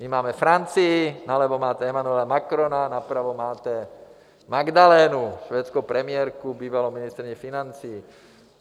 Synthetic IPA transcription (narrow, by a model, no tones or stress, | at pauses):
mimaːmɛfɾant͡siːnalɛʋɔmaːt̪ɛɛmanuɛlamakɾɔnanapɾaʋɔmaːt̪ɛ | maɡd̪alɛːnuʃʋɛːt̪t͡skɔpɾɛmɪɛɾkubiːʋalɔminist̪ɾiɲɛfinant͡siː